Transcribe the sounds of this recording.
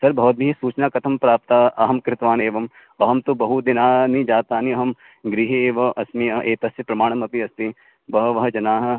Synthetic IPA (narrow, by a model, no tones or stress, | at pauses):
sɐɾbʱɐɦoːt̪̚bʱiɦisuːt͡ʃnakɐt̪ʰɐmpɾaːp̚t̪aːɐɦɐmkɾɪt̪ʋaːneːʋɐm | ɐɦɐmt̪obɐɦud̪ɪnaːnid͡ʒaːt̪aːniɐɦɐm | ɡɾiɦieːʋɐʔɐsmiɐʔeːt̪ɐsjɐpɾɐmaːɽ̃ɐmɐpiɐst̪i | bɐɦɐʋɐɦɐd͡ʒɐnaːɦɐ